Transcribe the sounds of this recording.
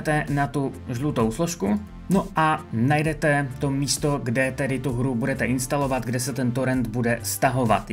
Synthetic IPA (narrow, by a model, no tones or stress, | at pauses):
ɛt̪ɛnat̪uʒlut̪owsloʃku | noʔanajdɛt̪ɛt̪omiːst̪oɡdɛt̪ɛdɪt̪uɦɾubudɛt̪ɛɪnst̪alo̞vad̪ɡdɛsɛt̪ɛnt̪oɾɛnd̪budɛst̪aɦo̞va̰t̪